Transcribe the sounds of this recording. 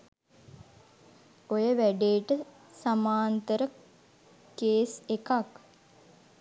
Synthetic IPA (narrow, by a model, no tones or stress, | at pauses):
ojəʋæɖeːʈə | samaːnt̪əɾə | keːsekak